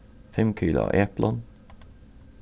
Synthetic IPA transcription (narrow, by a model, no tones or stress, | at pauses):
fɛmkʰyːlɑ̰ʔeːplʔɔn